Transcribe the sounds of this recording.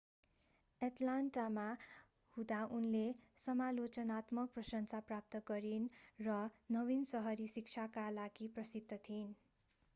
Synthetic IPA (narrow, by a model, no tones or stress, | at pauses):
eʈlanʈama | hud̪aʔunlesʌmalot͡sʌnat̪mʌk̚prʌsʌnt͡saprap̚t̪ʌɡʌɾinrʌnʌbinsʌɦʌɾisik̚t͡sʰakalaɡiprʌsid̪ʱːʌt̪ʰin